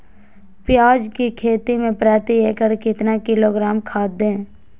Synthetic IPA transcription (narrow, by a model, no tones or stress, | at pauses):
pjaːd͡ʒkikʰeːt̪imẽpɾaːt̪ieːkəɾkɪt̪nakɪloːɡɾaːmkʰaːd̪ẽː